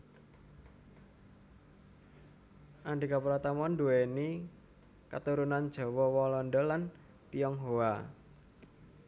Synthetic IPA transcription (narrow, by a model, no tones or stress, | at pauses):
ʔaɳɖikapuɾat̪amɔnduweni | ka̰t̪uɾunand̥ʒ̥ɔ̤wɔwɔlɔnɖɔlan | t̪iɔŋɦoa